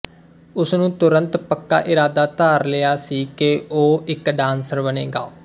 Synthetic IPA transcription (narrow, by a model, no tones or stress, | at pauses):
ʊsnũːt̪ʊɾə̃nt̪pəkːa̰ːʔɪɾaːd̪aːt̪aːɾlɪjaːsiːkeʔoːɪkɖãːnsəɾbənḛːɡa̰ː